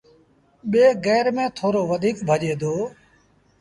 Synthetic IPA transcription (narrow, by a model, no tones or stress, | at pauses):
ɓeːɣɛːɾmẽːt̪ʰoːɾoːʋəd̪ʱiːkbʱəʄeːd̪oː